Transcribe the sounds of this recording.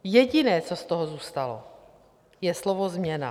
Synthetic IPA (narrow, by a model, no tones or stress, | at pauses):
jɛɟɪnɛːt͡sost̪oɦozuːst̪alo̰ | jɛslovozmɲɛna̰